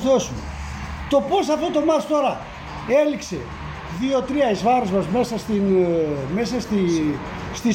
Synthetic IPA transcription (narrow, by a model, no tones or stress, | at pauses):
osumḛ | t̪o̞po̞sɐft̪ot̪o̞mɐtst̪o̞ɾɐ | e̞likse̞̰ | ðio̞t̪ɾiɐizvɐɾozmɐzme̞sɐst̪inme̞sɐst̪i | st̪i